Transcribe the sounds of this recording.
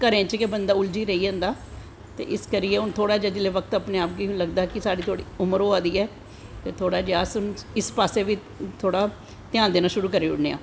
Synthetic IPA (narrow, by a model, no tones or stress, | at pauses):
kəɾẽːt͡ʃkebənd̪aːʊld͡ʒiːɾəiːd͡ʒə̃ːnd̪aː | t̪ḛːʔɪskəɾɪjeːʊnt̪ʰoːɽaːd͡ʒəːd͡ʒ̪ɪleːʋəkt̪əpneːaːp̚ɡiːʊ̃ləɡd̪aːkɪsaːɽiːt̪ʰoːɽḭːʊməɾoːaːd̪iːɛː | t̪eːt̪ʰoːɽaːd͡ʒaːsʊnɪspaːseːʋiː | t̪ʰoːɽaː | t̪ɪjãːnd̪eːnaːʃʊɾuːkəɾeːʊ̰ɽneːa̰ː